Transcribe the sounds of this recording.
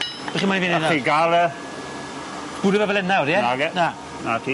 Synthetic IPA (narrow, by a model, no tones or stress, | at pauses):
b̥ɛχimaniviːnnaiɡalɛ | b̥ʊdəvɛvɛlˠɛnaɾjɛnaɡɛna | natʰi